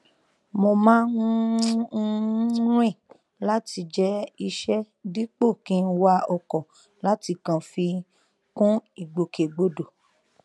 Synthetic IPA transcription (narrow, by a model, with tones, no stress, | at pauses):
mo˧mãː˦nũ˧˦ | ɾ̃ĩ˦˨ | la˦ti˧d͡ʒɛ˦i˧ʃɛ˦ | di˦k͡po˦˨kĩ˦˧n̩˦wa˧ɔ˧kɔ˨ | la˦ti˧kã˨fi˧ | kũ˦i˨ɡ͡bo˨ke˨ɡ͡bo˨do˨